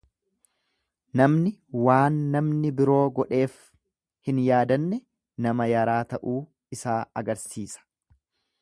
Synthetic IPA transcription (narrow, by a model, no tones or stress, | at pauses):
nɐmnɪwaːnːɐmnɪbɪɾo̞ːɡɔᶑe̞ːf | hɪnjaːd̪ɐnːɛ | nɐmɐjɐɾaːt̪ɐʔuː | ɪsaːɐɡɐɾsiːsɐ̥